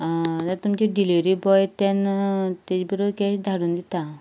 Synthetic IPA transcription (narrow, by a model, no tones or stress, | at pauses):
t̪at̪umt͡ɕiɖiliʋɾibɔjt̪ant̪ed͡ʑbiɾokɛɕd̪ʱaɽuːnd̪it̪a